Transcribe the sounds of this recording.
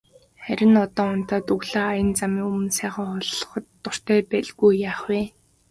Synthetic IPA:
χæɾʲɪ̆nɔt̪ɔːʊn̥t̪aːt̪ɵɣɮaːjə̆nt͡samiːŋɵmɵ̆nsæːχaːχɔɮχt̪ːʊr̥t̪ʰæːpæɮɣujːaːχweː

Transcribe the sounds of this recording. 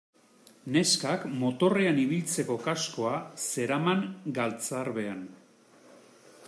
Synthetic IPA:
ne̞skakmo̞t̪o̞re̞aniβ̞ilt͡se̞ko̞kasko̞ase̞ɾamaŋɡalt͡saɾβe̞an

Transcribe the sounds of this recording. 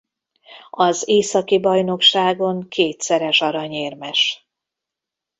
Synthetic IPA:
ɒzeːsɒkibɒjno̞kʃaːɡo̞ŋkʰeːt̪sɛɾɛʃɒɾɒɲeːrmɛʃ

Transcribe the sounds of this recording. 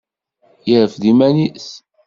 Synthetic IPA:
jəɾəfðimænis

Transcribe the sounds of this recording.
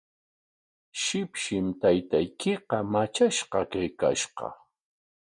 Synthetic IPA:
ʃɪpʃɪmt̪ajt̪ajkeqɑmat͡ʃaʃqɑkajka̰ʃqɑ̰

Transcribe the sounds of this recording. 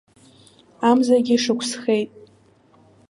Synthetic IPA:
amzaɡʲiʂɨkʷʰsχe̞jtʼ

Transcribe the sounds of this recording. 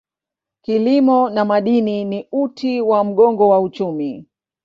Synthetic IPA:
kilimɔnamaɗininiutiwam̩ɠɔŋɡɔwaut͡ʃumi

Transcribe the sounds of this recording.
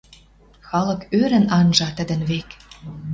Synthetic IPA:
xɑlɤ̆køɾə̆nɑnʒɑt̪ə̆d̪ə̆nβek

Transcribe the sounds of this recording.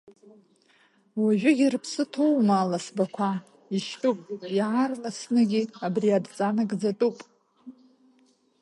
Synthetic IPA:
waʒʷᶣʊɡʲirpʰsɨtʰowmaːlasbakʷʰa | iʃtʼupʼjʕarlasnɨɡʲiabriadt͡sʼanaɡd͡zatʼupʼ

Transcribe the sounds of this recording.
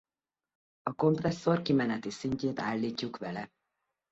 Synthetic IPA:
ɒko̞mprɛsːo̞rkimɛnɛt̪isiɲceːt̪aːlːiːcːukʋɛlɛ

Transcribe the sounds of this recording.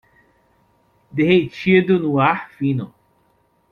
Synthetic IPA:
d̪ehejt͡ʃid̪ʊnʊaɾfĩnʊ

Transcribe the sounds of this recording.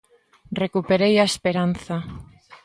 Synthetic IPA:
rekupeɾejaespeɾanθa

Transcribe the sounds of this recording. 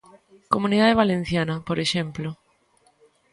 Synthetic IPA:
komũniðaðeβ̞alẽn̟θjanɐpoɾeʃemplo

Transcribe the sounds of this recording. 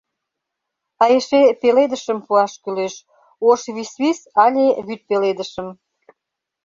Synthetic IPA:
ɑjeʃepeled̪əʃəmpuɑʃkyleʃ | oʃβisβisɑlʲeβyt̪̚peled̪əʃəm

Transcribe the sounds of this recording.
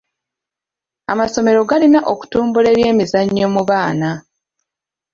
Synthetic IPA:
a̰maso̞me̞ɾo̞ɡalinaʔo̞ku̥tuːmbule̞ːβje̞ːmizaɲːo̞muβaːna

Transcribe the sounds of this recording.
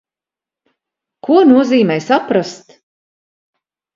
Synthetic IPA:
kʰuɔnuɔziːmɛjsapɾast̪

